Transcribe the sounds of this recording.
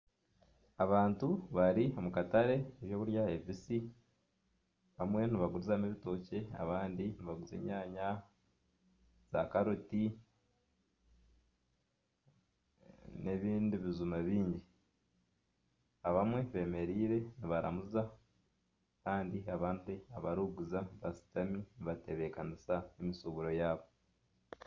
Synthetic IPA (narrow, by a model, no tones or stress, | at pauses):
aβaːntuβaɾio̞mukataɾe̞eβjo̞ːβuɾjaevisi | βamwe̞niβaɡuɾuzaneβito̞ːce̞a̰βaːndiniβaɡuze̞̰ɲaːɲa | z̥a̰kaɾoti | ne̞βiːndiβizumaβiːɲɟi | aβamwe̞βe̞me̞ɾiːɾe̞niβaɾa̰muza | kaːndiaβaːndiaβaɾuɡuzaβasi̥taminiβate̞βekanisaemisoβuɾo̞jaːβo̞